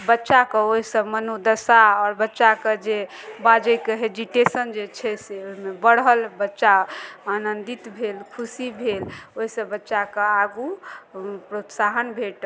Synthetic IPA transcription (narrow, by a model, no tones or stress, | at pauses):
bətːʃakeoɦisəbmənud̪əsaɔɾbətːʃaked͡ʒe | bad͡ʒəjkeɦed͡ʒiʈesənd͡ʒet͡ʃʰɛseoɦimebəɽɦəlbətːʃaanənd̪it̪bʱelkʰusibʱeloɦisəbətːʃakeaɡu | pɾot̪saɦənbʱeʈ